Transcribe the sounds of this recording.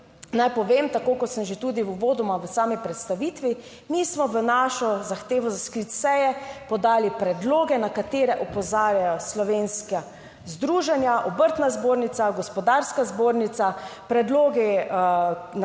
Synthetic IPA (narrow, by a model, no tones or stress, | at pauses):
najpɔʋemt̪akoːkɔt̪səmʒet̪uːd̪iuʋoːd̪ɔmaʋəsaːmipɾɛt̪st̪aʋiːt̪ʋi | mismɔʋənaʃɔzaxt̪eːʋɔzaskɾit̪sɛjɛpɔd̪aːlipɾɛd̪loːɡɛnakat̪eːɾɛʔɔpɔzaːɾjajɔslɔʋeːnska | zd̪ɾuʒɛnjaʔɔbəɾt̪nazboːɾnit̪saɡɔspɔd̪aɾskazboɾnit̪sapɾɛd̪loːɡi | n